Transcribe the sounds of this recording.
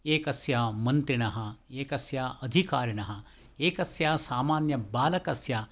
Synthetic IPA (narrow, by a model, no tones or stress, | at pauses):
eːkɐsjaːmɐnt̪ɾiɳɐɦɐeːkɐsjaːɐd̪ʱikaːɾiɳɐɦɐ | eːkɐsjaːsaːmaːnjɐbaːlɐkɐsjaː